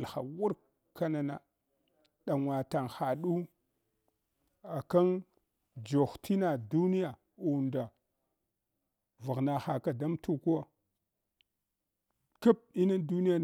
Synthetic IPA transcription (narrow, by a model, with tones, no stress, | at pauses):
lxa̰˨wu˦ɾ | ka˦na˦na˨ | ɗa˨ŋwa˨ta˨ŋxa˨ɗu˦ | a˨ka˦n | d͡ʒo˨xtʰi˦na˨du˦ni˦ja˨ | u˨nda˨ | va˨ɣna˨xa˨ka˨da˦mtʰu˦˨ku˦a˦ | ka˦p̚i˦na˦du˦ni˦ja˦˨